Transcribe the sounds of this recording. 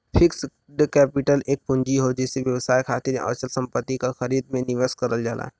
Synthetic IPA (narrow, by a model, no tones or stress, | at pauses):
pʰɪks | ɖkɛːpɪʈəleːk̚pʊ̃ɲd͡ʒiɦod͡ʒɛːseʋjɐʋsaːjkʰaːt̪ɪɾḛʔə̰ːt͡ʃəlsɐ̃mpət̪ːikaxɐɾiːd̪mẽnɪʋəskəɾəld͡ʒaːlʔa̰ː